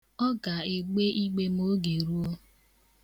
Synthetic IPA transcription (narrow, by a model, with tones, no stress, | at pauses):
ɔ˦ɡa˨e˨ɡ͡be˦i˦ɡ͡be˦m˦o˦ɡe˨ɾu˦o˦